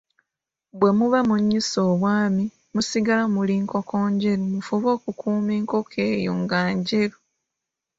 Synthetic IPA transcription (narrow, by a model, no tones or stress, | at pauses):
bwe̞muβamuɲːisoːβwaːmi | musiɡalamuliːŋko̞ko̞ːɲɟe̞ɾumufuβo̞ːkukʰuːmeːŋko̞kʰe̞ːjo̰ŋɡaːɲɟeɾu